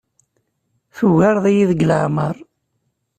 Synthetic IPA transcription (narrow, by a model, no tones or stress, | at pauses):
θuɣaɾðˤijiðəɡləʕməɾˤ